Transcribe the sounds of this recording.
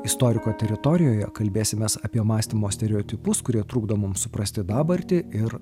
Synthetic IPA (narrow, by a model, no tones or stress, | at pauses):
ɪst̪ɔːɾʲɪkoːt̪ʲɛɾʲɪt̪ɔɾʲɪjoːjɛkɐlʲbʲeːsʲɪmʲeːsɐpʲiɛmɑːsʲt̪ʲɪmoːsʲt̪ʲɛɾʲɛoːt̪ʲɪpʊskʊɾʲiɛt̪ɾuːɡd̪ɐmʊmsʊpɾɐsʲt̪ʲɪd̪ɑːbɐɾʲt̪ʲɪɪɾ